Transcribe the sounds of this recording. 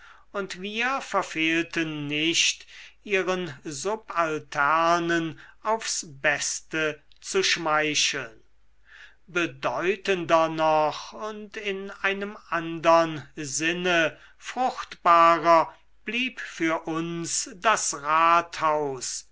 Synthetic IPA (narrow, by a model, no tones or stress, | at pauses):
ʊntviːɐfɛɐfeːltənːɪʃtʔiːʁənzʊpaltʰɛʁnənaʊfsb̥ɛstət͡suʃmaɪʃl̩n | bədɔʏtəndɐnɔχʊntɪnaɪnəmʔandɐnzɪnə | fʁ̥ʊxtb̥aːʁɐ | b̥liːpfyːɐʔʊnsdasʁaːthaʊs